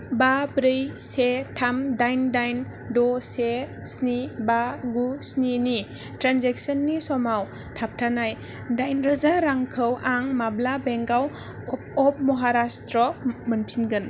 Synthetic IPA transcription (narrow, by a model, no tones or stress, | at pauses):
babɾejsetʰamdajndajn | dɔse | snibaɡusnini | tɾanzek̚sɔnːisɔmaw | tʰap̚tʰanaj | dajnɾazaɾaŋkʰɯwʔaŋmablabeŋɡaw̚ | ɔp̚mɔɦaɾastɾɔmənpʰinɡɯn